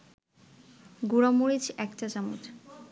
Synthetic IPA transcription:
ɡuɾomuɾid͡ʑɛkʈad͡ʑamṵt̪

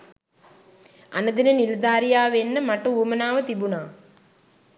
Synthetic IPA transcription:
a̰nəd̪inəniləd̪aːɾijaːʋenːəmaʈəuːmənaːʋət̪ibunaː

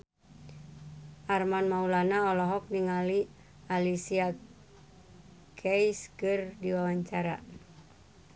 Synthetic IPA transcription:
ʔarmanmaulanaɔlɔɦɔk̚niŋali | alisia | kʰɛjskɨrdiwawaɲt͡ʃaɾa̰

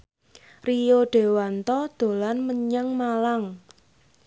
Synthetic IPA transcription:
rijoɖ̥e̤want̪ɔd̪̥o̤lanməɲaŋmalaŋ

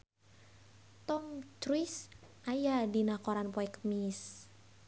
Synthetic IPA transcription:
t̪ɔmt͡ʃɾisʔajadinakɔɾanpɔɛkt̪̚mis

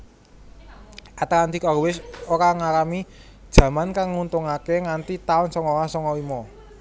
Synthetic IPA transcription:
ʔat̪akand̪ikɔɾwɪsoɾaŋaɾami | d̥ʒ̥ä̤mankaŋːunt̪ʊŋakeŋant̪it̪aʊnsɔŋɔwasɔŋɔwimɔ

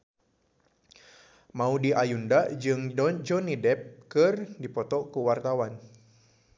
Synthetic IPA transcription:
maudiʔajundad͡ʒɨŋd͡ʒɔnidɛp̚kɨrdipɔt̪ɔkuwart̪awan

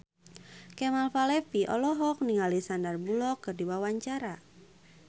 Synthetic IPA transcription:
kɛmalfalɛfiʔɔ̰lɔɦɔk̚niŋalisandarbulɔkːɨrdiwawaɲt͡ʃaɾa

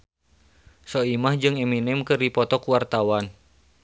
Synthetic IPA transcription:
sɔimahd͡ʒɨŋɛminɛmkɨripɔt̪ɔkuwart̪awan

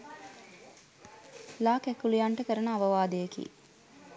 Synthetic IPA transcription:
laːkɛkulijaɳʈəkəɾənəaʋɐʋaːd̪ejekḭː

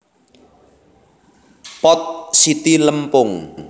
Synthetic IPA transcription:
pɔt̪̚sit̪iləmpʊŋ

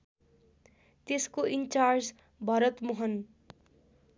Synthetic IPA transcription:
t̪eskoʔint͡sard͡z | bʱʌɾʌt̪moɦʌn

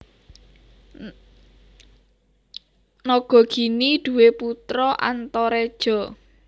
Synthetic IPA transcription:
nɔɡ̥ɔ̤ɡ̥i̤niɖ̪̥ṳweput̪ɾɔʔa̰nt̪ɔɾed̥ʒ̥ɔ̤

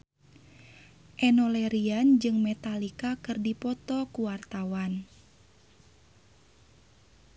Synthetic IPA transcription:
ʔɛnɔlɛɾiand͡ʒɨŋmɛt̪alikakɨrdipɔt̪ɔkuwart̪awan

